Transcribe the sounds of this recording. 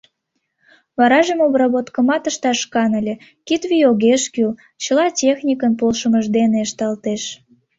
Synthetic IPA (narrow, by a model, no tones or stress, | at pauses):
βɑɾɑʒemobrɑβot̪kə̆mɑt̪əʃt̪ɑʃkɑnəlʲĕ | kit̪βijoɣeʃkyl | t͡ɕəlɑtʲexnʲikənpolʃəməʒd̪eneəʃt̪ɑlt̪eʃ